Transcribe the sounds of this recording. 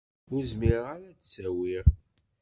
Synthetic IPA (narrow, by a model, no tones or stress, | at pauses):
ʊɾzmiɾaɾæt͡ssæwiɾ